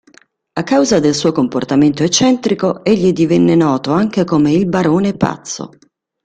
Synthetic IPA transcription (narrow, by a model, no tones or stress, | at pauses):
akːawzad̪elsuːokomport̪ament̪oet͡ʃːɛnt̪ɾikoeʎːid̪ivɛnːenɔːt̪oaŋk̟ekomeilbaɾoːnepa̰t̪sːo̰